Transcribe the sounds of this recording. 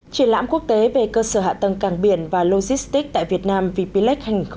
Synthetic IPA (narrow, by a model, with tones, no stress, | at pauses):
t͡ɕwi˧˩ənla̰ː˧˥mku˦˥ək̚t̪e˨˦ve˨˩kəː˧səː˧˩ha̰ː˧˨t̪ə˨˩ŋkaː˧˩ŋɓi˧˩ənvaː˨˩lo˧zi˦˥st̪i˦˥k̚t̪a̰ː˧˨jvi˨˩ət̚naː˧mvi˨˩pi˧lɛ˦˥k̚ha˧jŋi˨˩ŋ̟x